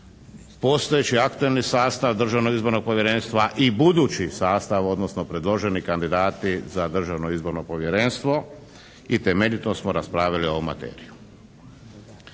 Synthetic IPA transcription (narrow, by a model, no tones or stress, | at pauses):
po̞st̪ojet͡ɕiakt̪uelnisaːst̪aʋd̪r̩ʒaʋnoɡizbo̞ɾno̞ɡ̚poʋje̞ɾenst̪ʋaʔibud̪uːt͡ɕisaːst̪aʋo̞d̪nosno̞pɾe̞d̪lˠo̞ʒe̞nikand̪id̪aːt̪izad̪r̩ʒaʋnoizbo̞ɾno̞po̞ʋje̞ɾenst̪ʋo̞ | it̪e̞meʎit̪osmoɾaspɾaːʋjalio̞ʋoma̰t̪ḛːɾiju